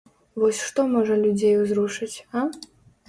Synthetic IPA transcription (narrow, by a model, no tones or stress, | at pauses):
vɔsʲʂt̪ɔmɔʐɐlʲud͡zʲejuzruʂɨt͡sʲa